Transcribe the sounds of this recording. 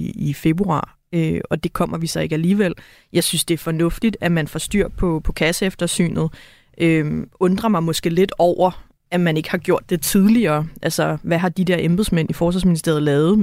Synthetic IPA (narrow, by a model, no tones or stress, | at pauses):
ife̝b̥ʁuɑ̰̈ː | øɒ̽d̥e̝kʰɒ̽m̰ɐʋisɒ̽e̝ɡ̥æliːʋel̰ | jɑ̈ɪsynsd̥e̝æɐfɒ̽nɔ̽fd̥id̥æmænfɒ̽sd̥yɐ̰pʰɒ̽pʰɒ̽kʰæsəefd̥ɐsy̰ːnð̞̩ˠ | ʔøɔ̽nd̥ʁɐmɑ̈ɪmɒ̽sɡ̥e̝̰ːle̝d̥ɒʊ̰ɐ | æmæne̝ɡ̥hɑ̈ɡ̥jo̝ɐ̰d̥ːe̝t͡sʰið̞ˠliɐːʔælsɒʋæɦɑ̈d̥id̥ɛɐʔemb̥ð̩ˠsmen̰ifɒːs̬ʋɑ̈sminisd̥e̝ɐð̞̩ˠlɛːʊð̩ˠ